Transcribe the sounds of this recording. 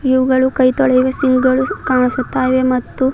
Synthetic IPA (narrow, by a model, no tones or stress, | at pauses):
jiʋuɡɐɭukɐjt̪ɔɭɛjʋesiŋɡɡɐɭukaːɳisut̪ːaːjʋemɐt̪ːu